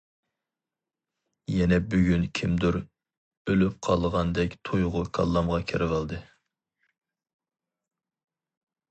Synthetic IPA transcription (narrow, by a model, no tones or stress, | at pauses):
jɛnɛbyɡʲynkʲʰimd̪uɾ | ølyp̚qʰɑlˠʁɑnd̪ɛkʲt̪ʰojʁʊkʰɑ̰lˠːɑmʁɑkʲʰeɾvəlˠd̪ɨ